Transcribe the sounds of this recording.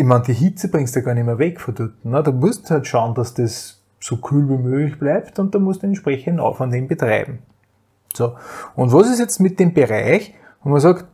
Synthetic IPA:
ɪçmand̥iɦit͡səb̥ʁɪ̃ŋstaɡaːɐnɪmɐvɛkfodyt̪n̩nədɑmuəsthatʃaʊnd̥asd̥es | sokʰyːlvimøːɡlɪçb̥læɪptʊ̃nt̚d̥ɑmʊəstuɛ̃nʃpʁɛçəndɑ̰fɔndeːmbətʁa̰ɪbm̩ | soːʊ̃ntʋɔsɪsjɛt͡stmɪt̚d̥eːmb̥əʁaɪç | vomɐs̬ɑkt

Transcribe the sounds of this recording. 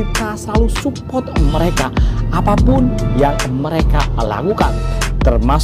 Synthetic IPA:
it̪asəlalusupɔt̪̚məɾekaapapʊnjaŋməɾekaəla̰kukant̪ərmas

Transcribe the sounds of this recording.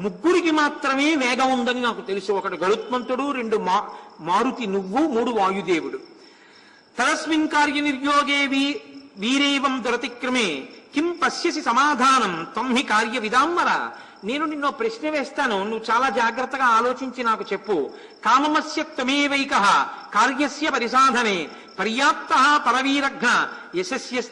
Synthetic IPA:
muɡːuɾikimaːt̪ɾɐmeːʋɛːɡɐund̪ɐninaːkut̪e̞lisuɔkɐʈiɡɐɭut̪mɐnt̪uɽuɾe̞ɳɖuaːmaːɾut̪inuʋːumuːɽuʋaːjud̪eːʋuɽu | t̪ɐɾɐsʋiŋkaːɾjɐniɾjoːɡeːʋiʋiːɾeːʋɐmd̪uɾɐt̪ikɾɐmeːkimpɐsjɐsisɐmaːd̪ʱaːnɐmt̪omɦikaːɾjɐʋid̪aːmːɐɾɐ̰ | neːnuninːoːpɾɐʃnɐʋeːst̪aːnunuːʋːut͡ʃaːlaːd͡ʒaːɡɾɐt̪ːɐɡaːaːloːt͡ʃiɲt͡ʃinaːkut͡ʃepːu | kaːmɐmɐsjɐt̪ːomeːʋɐjkɐɦɐkaːɾjɐsjɐpɐɾisaːd̪ʱɐneː | pɐɾjaːt̪mɐɦɐpɐɾɐʋiːɾɐɡʱnɐesɐsjɐs

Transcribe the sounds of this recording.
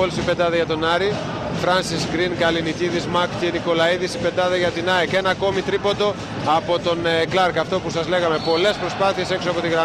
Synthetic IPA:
olsipe̞t̪ɐðɐʝɐt̪o̞nɐɾi | fɾɐnsisɡɾinɡɐliniciðizmɐkceniko̞lɐiðisipe̞t̪ɐðeʝɐt̪inɐeke̞nɐko̞mit̪ɾipo̞t̪o̞ | ɐpo̞t̪o̞nklɐɾkɐft̪o̞pusɐzle̞ɣɐme̞po̞le̞spɾo̞spɐθie̞se̞ksoɐpo̞t̪iɣɾɐ

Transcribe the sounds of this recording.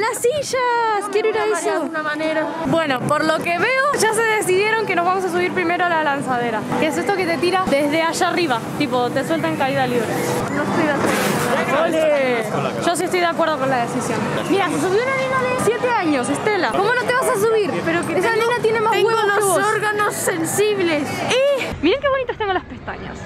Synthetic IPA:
lasiʃaskjeɾoiɾaisuunmaneɾa | bwe̞no̞poɾlo̞keβe̞oʒas̬e̞ðe̞siðje̞ɾo̞ŋke̞no̞zβamos̬as̬uβiɾpɾime̞ɾoalalansaðe̞ɾakes̬e̞st̪oket̪e̞t̪iɾaðe̞zðeaʃariβat̪ipo̞t̪e̞swe̞lt̪aeŋkaiðaliβɾḛnoest̪ojðakweɾooao | lʒ̥oasiest̪ojðeakwe̞ɾð̞o̞ko̞nlaðesisjon | miɾases̬uβjounalinaðesje̞t̪eaɲo̞s̬est̪e̞lako̞mo̞not̪e̞βasas̬uβiɾpeɾokeealinat̪jene̞mazɣweβoouoɾɣanosːensiβlesimiɾeŋke̞βo̞nit̪ost̪eŋɡolaspe̞st̪a̰ɲa̰s

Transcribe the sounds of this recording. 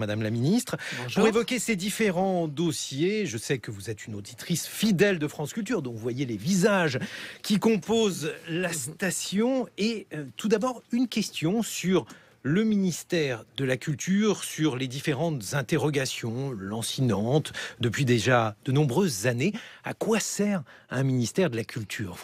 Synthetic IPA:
mad̪amlaminist̪χpuʁevɔkʲesed̪ifeʁɑ̃d̪osjeʒəsɛkəvuzɛt̪ynod̪it̪χisfid̪ɛld̪əfχɑ̃skʲylt̪yʁd̪ɔ̃vuvwajelevizaʒkʲikɔ̃pozlast̪asjɔ̃et̪ud̪abɔʁynkʲɛst̪jɔ̃syʁ | ləminist̪ɛʁd̪əlakʲylt̪ʰyʁsyʁled̪ifeʁɑ̃t̪z̥ɛ̃t̪eʁɔɡasjɔ̃lɑ̃sinɑ̃t̪d̪əpɥid̪eʒad̪̥ənɔ̃bʁøzːanea̰kwasɛʁ | ɛ̃minist̪ɛʁd̪əlakʲʰylt̪ʰyːʁ

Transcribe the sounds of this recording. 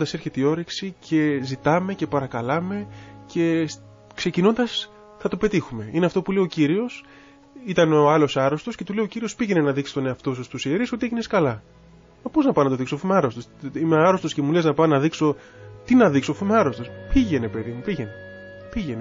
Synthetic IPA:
ond̪ɐseɾçe̞t̪io̞ɾiksicʰe̞zit̪ɐme̞ce̞pɐɾɐkɐlɐme̞ce̞ | kse̞cino̞nd̪ɐs | θɐt̪o̞pe̞t̪ixume̞ineɐft̪o̞pule̞iociɾio̞s | it̪ɐnoːɐlo̞sɐɾo̞st̪o̞sce̞t̪ule̞iociɾio̞spiʝe̞nenɐðiksi̥st̪o̞neɐft̪o̞sust̪usieɾisot̪ieʝineskɐlɐ | mɐpoznɐpɐnɐt̪o̞ðiksofimeɐɾo̞st̪osimeɐɾo̞st̪o̞scemuleznɐpɐnɐðikso̞ | t̪inɐðiksofimeɐɾo̞st̪o̞spiʝe̞ne̞pe̞ðimupiʝe̞ne | piʝe̞ne

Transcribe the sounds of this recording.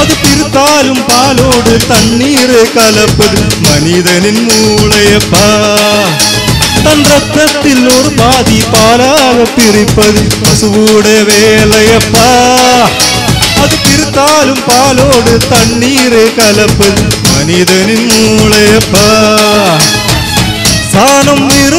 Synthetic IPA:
ɐðɯpɪɾɯt̪ːaːlɯmpaːloːɽɯt̪ɐɳːiːɾeːkɐlɐpːɐð | mɐniðɐninmuɭɐjɐpːaː | t̪ɐnrɐt̪ːɐt̪ːɪloːɾɯpaːðipaːlaːɣɐpːɪrɪpːɐðɯ | bɐsɯʋuɽɐʋeːlɐjɐpːaː | ɐðɯpɪɾɯt̪ːaːlɯmpaːloːɽɯt̪ɐɳːiːɾeːkɐlɐpːɐðɯmɐnɪðɐnɪnmuːɭɐjɐpːaː | saːnɐmnɪɾ

